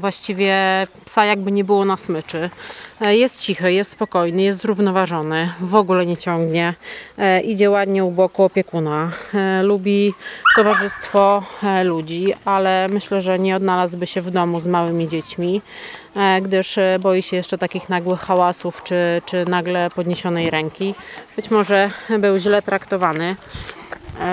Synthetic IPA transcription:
vwaɕt͡ɕivʲjɛpsajaɡ̚bɘɲɛbɘwɔnasmɘt͡ʂɘ | jɛst̪̚t͡ɕixɘjɛst̪spɔkɔjnɘjɛst̪zɾuvnɔvaʐɔnɘvɔɡulɛɲɛt͡ɕɔŋɡɲɛ | ʔid͡ʑɛwad̪ɲɛubɔkuɔpʲjɛkunalubʲit̪ɔvaʐɘst̪fɔlud͡ʑialɛmɘɕlɛʐɛɲɛɔd̪nalazbɘɕɛvd̪ɔmuzmawɘmʲid͡ʑet͡ɕmʲi | ɡd̪ɘʂbɔjiɕɛjɛʂt͡ʂɛt̪akʲixnaɡwɘxːawasuft͡ʂɘt͡ʂɘnaɡlɛpɔd̪ɲeɕɔnɛjɾɛŋkʲib̥ɘt͡ɕmɔʐɛbɘwʑlɛt̪ɾakt̪ɔvanɘ

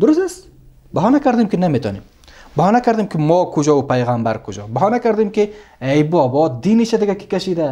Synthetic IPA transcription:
d̪ʊɾʊs̬t̪as | baɦɔnakaɾd̪imkʲinamet̪ʰɔ̰nem | bahɔnakaɾd̪imkʰimɔkʰʊd͡ʒɔupajʁambaɾkʰʊd͡ʒɒbaɦɔnakaɾd̪imkiejbɔbɔd̪iniʃad̪ɪɡakʰi̥kʲaʃid̪a

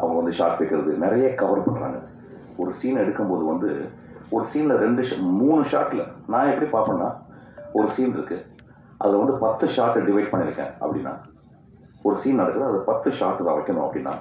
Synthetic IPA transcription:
ɐʋɐŋɡɐʋɐnd̪ɯʂa̰ːɾʈːʋɛɪkːɪɾɐðɯnɪɾɐjeːkɐʋɐɾpɐɳːɾa̰ːŋɡɐ | ɔɾɯsiːnɛɽɯkːɯmpoːðɯʋɐnd̪ɯ | ɔɾɯsiːnlɐɾɛɳɖɯʂmuːɳɯʂa̰ːʈːɪlɐnãːɛpːɐɽipaːɾpɐ̃ɳna̰ːɔɾɯsiːnɪɾɯkːɯ | ʔɐ̰ðɯlʋɐnd̪ɯpɐt̪ːɯʂaːɾʈːɖɪʋɐɪɖpɐɳːɪɾɯkːḛ̃ːʔɐ̰pːɐɽɪ̰nːa̰ː | ɔɾɯsiːnɛɽɯkːɐɾðɐɐðpɐt̪ːɯʂaːɾʈːðã̰ːɐʋɐɪkːɐɳõːɐpːɐɽɪnːa̰ː

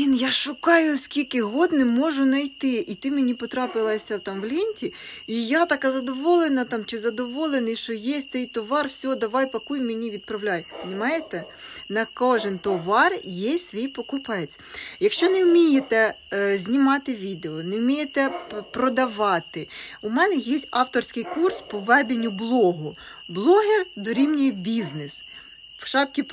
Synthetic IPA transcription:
injaʃʊkɑjʊskʲilʲkɪɦɔd̪nɪmɔʒʊnɐjt̪ɪʔit̪ɪmʲenʲipɔt̪ɾɑpɪlˠɐsʲɐt̪ɑmʋlʲinʲtʲi | ijat̪ɐkɑzɐd̪ɔʋɔlˠenɐt̪ɑmt͡ʃɪzɐd̪ɔʋɔlˠenɪjʃt͡ʃɔjesʲtʲt̪sɛjt̪ɔʋɑrwsʲɔɔd̪ɐʋɑjpɐkujmenʲiʋʲid̪̚pɾɐwlʲajpnʲɪmɑjet̪ɛ | nɐkɔʒɪnt̪ɔʋɑrjɛsʲʋʲijpɔkʊpɛt͡sʲ | jɐkʃt͡ʃɔnɛʊmʲijet̪ɛ | zʲnʲimɑt̪ɪʋʲid̪eɔnɛwmʲijet̪ɛpɾɔd̪ɐʋɑt̪ɪumɛnɛjɛsʲtʲɑwt̪ɔrsʲkɪjkurspɔʋɛd̪enʲːʊblˠɔɦʊ | blˠɔɦerd̪ɔɾʲimnʲibʲiznes | ʃɑpkʲɪ

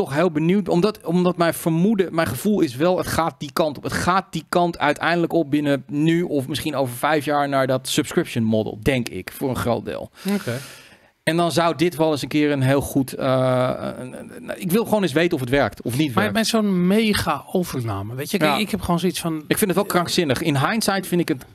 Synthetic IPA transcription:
tɔxɦeːlˠbənuwt̚ɔmdɔtomdɔtmɛjnfəɹmudəmɛjχəv̥ulˠɪsʋɛlˠətχaːt̚dikɑntɔpətxaːt̚dikɑntʰœ̰ɥtʰɛ̰jndələkɔp̚bɪnənyɔfmɪsχinoːwvəɹfɛjfjaːɹnaːɹdɔtsəpskɹɪpʃənmɔdə̰lˠdɛŋkɪ̰kfʊːrənxro̰ːt̚dɪ̰ːlˠo | ɛndɔnzawdɪtʋɛlˠəs̬ənkɪərənɦeːlˠxutə | ɪkʋɪlˠχʋoːnɪs̬ʋejtənɔfətʋɛɹk̚tʰɔfnitʋamɛsoːnmejɣaowvərna̰ːməʋejtjəɛɪkhɛpχoːnsoisfɔnɪkfɪndətʋɛlˠkrɑŋksɪnəxɪnɦajnsajtfɪndtɪkət

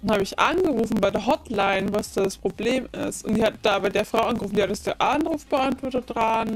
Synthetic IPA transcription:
haːbəɪçʔa̰nɡəʁuːfn̩baɪdeːɐɦɔtlaɪnvasd̥aːdaspʁ̥obleːmɪ̰stʊntd̥iːhatəd̥aːbaɪdeːɐfʁ̥aʊʔanɡəʁufn̩dijːadasd̥eʔanʁuːfb̥əʔantv̥ɔɐtət̚d̥ʁan

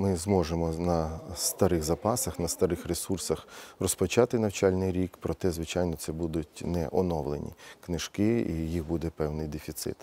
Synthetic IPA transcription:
mɪzmɔʒemɔnɐst̪ɐɾɪɣzɐpɑsɐxnɐst̪ɐɾɪxɾesursɐxrɔspɔt͡ʃɑt̪ɪnɐwt͡ʃɑlʲnɪjɾʲikpɾɔt̪ɛzʋɪt͡ʃɑjnɔt̪sɛbud̪ʊtʲnɛ̰ʔɔnɔʋlˠḛnʲḭknɪʃkɪijixbud̪ɛpɛwnɪjd̪efʲit̪sɪ̰t̪

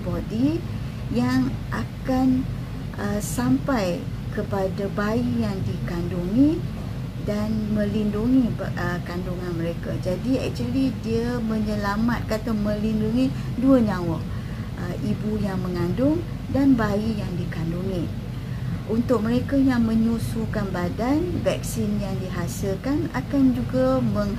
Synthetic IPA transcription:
bɔdi | jaŋʔakan | ʔəsampaj | kəpadabaijaŋdikanduŋi | danmə̃linduŋiəkanduŋanməɾekad͡ʒadiɛ̰k̚t͡ʃuəlidiəmə̃ɲəlamat̪̚kat̪amə̃linduŋi | duəɲãwa | ʔəʔibujaŋmə̃ŋandʊŋ | danbaijaŋdikanduŋi | ʔunt̪ʊk̚mə̃ɾekajaŋmə̃ɲusukanbadanvɛk̚sɪnjaŋdiɦasəlkana̰kand͡ʒuɡamə̃ŋ

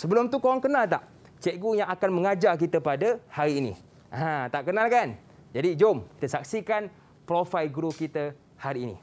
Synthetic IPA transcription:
səbəlʊmt̪ukoaŋkənãlt̪aʔ | t͡ʃɛʔɡujãŋakanmə̃ŋad͡ʒark̬it̪əpadahaɾiːnḭ | ʔãt̪aʔkənalkan | d͡ʒadid͡ʒomki̥t̪əsak̚sikan | pɾofajlɡɾokit̪ə | haɾiːnḭ̃

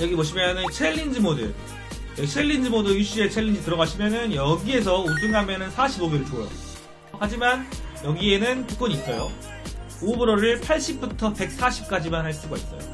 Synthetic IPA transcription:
jʌɡimoɕʰimjʌnɯnt͡ɕʰeʎːind͡ʑimodɯ̰ | jʌt͡ɕʰe̞ɭːind͡ʑimodɯjuɕ͈iet͡ɕʰeɭːind͡ʑitɯɾʌɣaɕʰimjʌnɯnjʌɡie̞s̬ʰʌuduŋamjʌnɯnsʰaɕʰiboɡiɾɯɭt͡ɕojʌ̰ | had͡ʑimanjʌɡie̞nɯntɯk͈oɲis͈ʌjo̰ | obɯɾoɾɯɭpʰaɭɕ͈ʰip̚p͈utʰʌpe̞k̚s͈aɕʰi̥p̚k͈ad͡ʑimanɦaɭs͈uɡaḭs͈ʌ̰jo̰

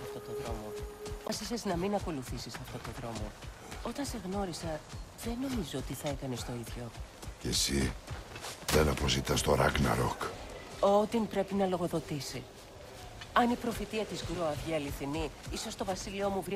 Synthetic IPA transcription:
ɐft̪o̞t̪oðɾo̞̰mo̞ɐsiseznɐminɐko̞luθisisɐft̪o̞t̪oðɾo̞mo̞̰ | o̞t̪ɐnse̞ɣno̞ɾisɐðe̞no̞mizoot̪iθɐe̞kɐnest̪o̞iðʝo̞ | cesi | ðenɐpo̞zit̪ɐst̪oɾɐ̰ɡnɐ̰ɾo̰kot̪impɾe̞pinɐlo̞ɣo̞ðo̞t̪isi | ɐnipɾo̞fit̪iɐt̪izɣɾoɐvʝiɐliθiniiso̞st̪o̞vɐsilio̞muvɾi

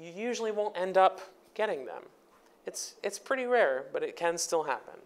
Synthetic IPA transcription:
jɨjʉʒl̩ˠiwõʊ̃ntɛ̃ndʌp | ɡ̥ɛɾɪ̃ŋðə̰̃m | ɨtsɨtspʰɹ̥ɪɾiɹɛɹbʌɾɨt̚kʰɨ̃nstɪlˠɦæ̰pɨ̰̃n

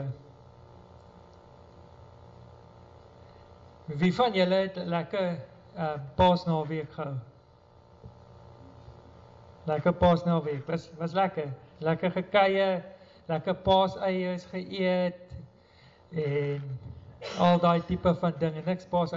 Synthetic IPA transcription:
vifɐnjələɦɛtlækə | əmpɑːsnɑːviəkχəəw | lækəpɑːsnɑːviəkvɐsvɐslækəlækəχəkɛjə | lækəpɑːsəjərsχəʔiət̚ | ɛn | ɐlˠdɑːjtipəfɐndəŋɛnːəkspɑːs

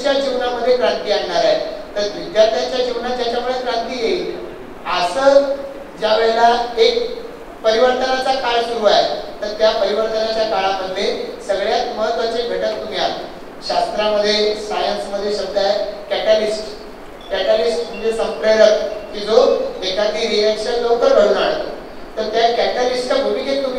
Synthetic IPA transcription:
ɕjad͡ʑiʋnaməd̪ʱːjekɾant̪iːaɳːaɾaet̪əɾʋʋid̪jaɾt̪ʰjat͡ɕjad͡ʑiʋnat̪jat͡ɕjamuɭekɾant̪iːjei | əsə | d͡ʑjaʋeɭelaek | pəɾiʋəɾt̪ənat͡sakalsuɾuaet̪əɾt̪japəɾiʋəɾt̪ənat͡ɕjakaɭaməd̪ʱlesəɡɭjat̪məɦət̪ʋat͡ɕebʱeʈət̪ːum̤ja | ɕast̪ɾaməd̪ʱːjesajənsməd̪ʱːjesəb̚d̪ʱaekɛʈalisʈ | kɛʈalisʈt̪uɲd͡ʑesə̃mpɾəɾət̪̚kid͡zoekad̪ʱiːɾiekɕənlokəɾbəɽuːnd͡zaɽt̪o | t̪əɾt̪jakæʈaɾisʈabʱumiːɡet̪ːumi

